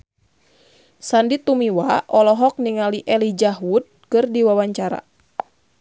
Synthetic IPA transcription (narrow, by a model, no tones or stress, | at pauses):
sandit̪umiwaʔɔlɔɦɔk̚niŋaliʔɛlid͡ʒaɦwut̪̚kɨrdiwawaɲt͡ʃaɾa̰